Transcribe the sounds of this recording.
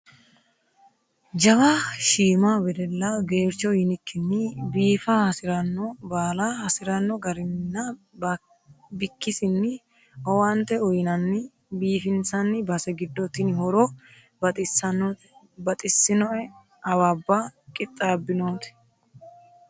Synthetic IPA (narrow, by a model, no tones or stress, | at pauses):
d͡ʒɐwaːʃiːmaːbɛd̪ɛlːɐɡe̞ːɾt͡ʃːɔjɪnɪkːɪnːɪbiːfahɐsɪɾɐnːɔbaːlahɐsɪɾɐnːɔɡɐɾɪnːɐ | bɪkːɪsɪnːɪ | ɔwant̪ɛʊjɪnɐnːɪ | biːfɪnsɐnːɪbɐsɛɡɪd̪ːɔt̪ɪnɪhɔɾɔ | bɐ | bɐt̪ʼɪsːɪnɔʔɛ | ɐwaːbːakʼɪt̪ʼːaːbːɪnoːt̪ɛ̥